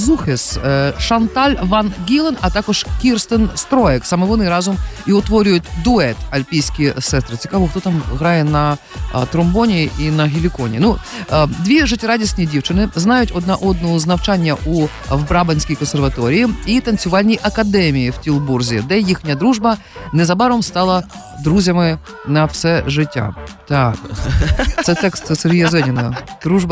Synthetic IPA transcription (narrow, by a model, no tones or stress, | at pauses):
zuxɪsʂɐnt̪alʲvanɡʲilˠənɐt̪akɔʂkʲirst̪ɨnst̪ɾojɛksɐmɨvɔnɨjɾazʊmiʊt̪ʋoɾʲʊjʊt̪ʲd̪ʊɛt̪ɐlʲpʲijsʲkʲɪjsɛst̪ɾɨt͡sʲɪ̥kavoxt̪ot̪amɣɾajɛnɐ | t̪ɾʊmbonʲɪʔinɐɦʲɪlʲɪkonʲɪnud̪vʲiʐɨtʲɪɾadʲɪsʲnʲɪjɪdʲift͡ʃɨnɪznɑjʊtʲɔd̪naʔɔd̪̚nɔɦɔznɐwt͡ʃanʲːɐʔu | ʋbɾɑbɐnʲsʲkʲijkɔnserʋɐt̪ɔɾʲijiit̪ɐnʲt͡sʲʊʋɑlʲnʲijʔɐkɐd̪ɛmʲijiwtʲilˠburzʲid̪ɛjixnʲɐd̪ɾuʒbɐ | nɛzɐbɑɾɔmst̪ɑlˠɐ | d̪ɾuzʲɐmɪ | nɐwsɛʒɪtʲːa̰t̪ak | sɛt̪ɛkst̪seɾʲɦʲijɐzɛnʲɪnɐd̪̥ɾuʒbɐ